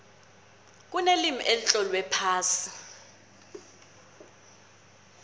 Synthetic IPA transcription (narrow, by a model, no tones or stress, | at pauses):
k̬unelimiʔelit͡ɬʼɔlwɛpʰaːsi̥